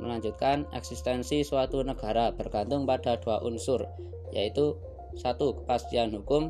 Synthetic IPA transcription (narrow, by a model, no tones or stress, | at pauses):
məlaɲd͡ʒut̪̚kanɛ̰ksist̪ɛnsiswat̪unəɡ̥a̤ɾab̥ərɡ̥ant̪ʊŋpaɖ̥a̤d̥uwaʔunsʊr | jait̪u | sat̪ukə̥past̪ianɦukʊm